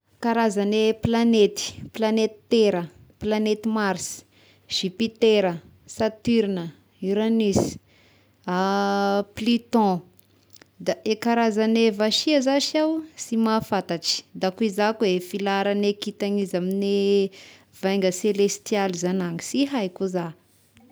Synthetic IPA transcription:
kaɾazaneplanet̪i̥planet̪i̥t̪eɾə | planet̪imaɾs | ʒ̥ipit̪eɾə | sat̪yɾnə | iɾanis | a | plit̪ɔ̃ | d̪aʔekaɾazanevaʃiazaʃawsimafat̪aʈ͡ʂi̥d̪akuizakuefilaɾanekit̪aɲizamine | vajŋɡəselest̪ijalizanaŋi̥siɦajkuza

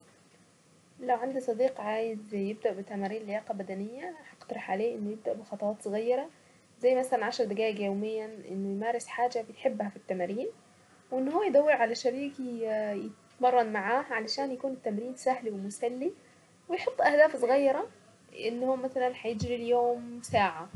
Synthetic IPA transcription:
læwʕand̪isˤɑd̪iːqʕaːjed̪jeb̚d̪æʔbet̪ːæmæːɾiːnlejɑːqɑbæd̪ænejːæħɑqt̪ɑɾeħʕaleːʔenːojeb̚d̪æʔbexɑt̪ˤɑwɑːt̪sˤoɣɑjːɑɾˤɑ | zæjːmæsælænʕaʃɑɾˤd̪æɡæːʔɡjoːmejːænʔḛnːojmæːɾesħaːd͡ʒæbejħebːhæfit̪ːæmæːɾiːn | wʔenːhowːæjd̪æwːeɾʕalæʃæɾiːkijet | mɑrˤːɑnmaʕaːhʕalæʃæːnjakuːnet̪ːæmɾiːnsæhliwemʊsælːi | wejħot̪ˤːʔæhd̪æːfsˤɣɑjːɑɾˤɑ | ʔenːhowːæmæsælænħajed͡ʒɾiljoːmsaːʕa

